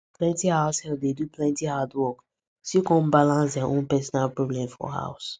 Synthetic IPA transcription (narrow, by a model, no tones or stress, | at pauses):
pʰlɛ̃ntihaʊshɛlpdedupʰlɛ̃ntihadwɔk | sjukɔ̃nbalãns̬dɛaʔõnpɛsɔnalpɹɔblɛ̃mfɔ̰ha̰ʊs